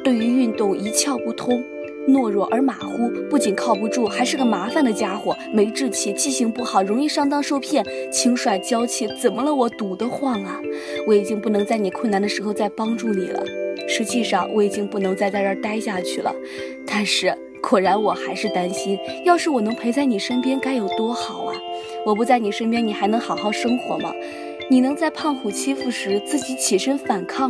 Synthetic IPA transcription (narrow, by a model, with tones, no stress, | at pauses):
t̪we˥˩ɪy˧˥y˥˧nt̪ʊ˥˩ŋi˧˥t͡ɕʰjɑ˥˧ʊpu˥˩t̪ʰʊ˥ŋ | nwɔ˥˧ɻwɔ˥˩ʔə˞˧˥ma˨˩xu˥pu˥˩t͡ɕi˨˩nkʰɑ˥˩ʊp̬u˧˥ʈ͡ʂu˥˩xa˧˥ɪʂɻ̩˥˩ɡə˩ma˧˥fa˨˧nd̪ə˩t͡ɕja˥xwɔ˨˩me˧˥ɪʈ͡ʂɻ̩˥˧t͡ɕʰi˥˩t͡ɕʰi˥˩ɕi˧˥ŋpu˥˩xɑ˨˩ʊɻʊ˧˥ŋi˥˧ʂɑ˥˩ŋt̪ɑ˥ŋʂo˥ʊpʰjɛ˥˩nt͡ɕʰi˧˥ŋʂwa˨˩ɪt͡ɕjɑ˥ʊt͡ɕʰi˥˩t͡sə˨˩nmə˦lə˧wɔ˨˩t̪u˨˩d̪ə˦xwa˥˩nlə˩ | wɔ˧˥i˨˩t͡ɕi˥ŋpu˥˩nɤ˧˥ŋt͡sa˥˩ɪni˨˩kʰə˥˩na˧˥nd̪ə˧ʂɻ̩˧˥xo˧t͡sa˥˩ɪpɑ˥ŋʈ͡ʂu˥˩nḭ˨˩lə̰˦ʂɻ̩˧˥t͡ɕi˥˧ʂɑ˥˩ŋwʔɔ˧˥i˨˩t͡ɕi˥ŋpu˥˩nɤ˧˥ŋt͡sa˥˧ɪt͡sa˥˧ə˞˥˧t̪a˥ɪɕja˥˧t͡ɕʰy˥˩lə̰˩ | t̪a˥˧nʂɻ̩˥˩ | kʰwɔ˨˩ɻa˧˥nwɔ˨˩xa˧˥ɪʂɻ̩˥˩t̪a˥nɕi˥njɑ˥˧ʊʂɻ̩˥˩wɔ˨˩nɤ˧˥ŋpʰe˧˥ɪt͡sa˥˩ɪni˨˩ʂə˥npjɛ˥nka˥ɪjo˨˩ʊt̪wɔ˥xɑ˨˩˦ʊɐ˦ | wɔ˨˩p̬t͡sa˥˩ɪni˨˩ʂə˥np̬jɛ˥ni˨˩xa˧˥ɪnɤ˧˥ŋxɑ˨˩ʊxɑ˥˩ʊʂɤ˥ŋxwɔ̰˧˥mɐ̰˧ | ni˨˩nɤ˧˥ŋt͡sa˥˧ɪpʰɑ˥˩ŋxu˨˩t͡ɕʰi˥fu˥˩ʂɻ̩˧˥t͡sɹ̩˥˩t͡ɕi˧˥t͡ɕʰi˨˩ʂə˥nfa˨˩nkʰɑ˥˩ŋ